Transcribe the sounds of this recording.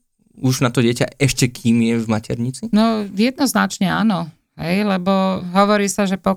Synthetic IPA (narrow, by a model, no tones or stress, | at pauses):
uʒnat̪ɔɟɪɛca̰ɛʃcɛkʰiːmjɛvmacɛɾɲit͡sinɔjɛd̪̚nɔznat͡ʃɲɛa̰ːnɔ | ɦɛjlɛbɔɦɔʋɔɾiːsaʒɛpɔ